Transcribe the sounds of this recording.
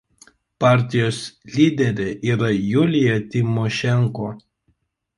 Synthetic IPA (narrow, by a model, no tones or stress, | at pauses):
pɑˑɾʲt̪ʲɪjoːslʲiːd̪ʲɛɾʲeʔiːɾɐjʊlʲɪjɛt̪ʲɪmɔʃʲɛŋkoː